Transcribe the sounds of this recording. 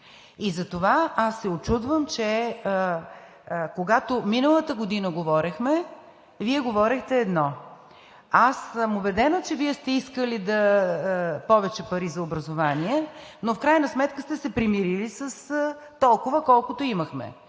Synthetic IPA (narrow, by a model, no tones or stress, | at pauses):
izɐt̪ovaasːɛot͡ʃud̪vəmt͡ʃɛ | koɡat̪ominəlˠət̪əɡod̪inəɡovɔɾixmɛ | viɛɡovɔɾixt̪ɛːd̪nɔ | asəmʊbɛd̪ɛnot͡ʃɛviɛst̪ɛiskəlid̪ɐ | pɔvɛt͡ʃɛpɐɾizɐobɾɐzovaniɛnofkɾajnɐsmɛt̪kəst̪ɛsɛpɾimiɾilisəs | t̪ɔlˠkʊvəkɔlˠkʊt̪oiməxmɛ̰